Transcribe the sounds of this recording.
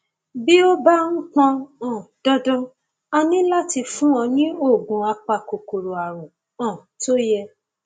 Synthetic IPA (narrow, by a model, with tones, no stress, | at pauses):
bi˦o˦ba˦ŋ̩̃˦k͡pɔ̃˧ɔ̃˦˨d̥ɔ˦dɔ̃˦ | a˧nĩ˦la˦ti˧fũ˦ɔ̃˧nĩ˦o˦˨ɡũ˨a˧k͡pa˧˨ko˨ko˨ɾo˨a˨ɾũ˨ | ɔ̃˨to˦jɛ˧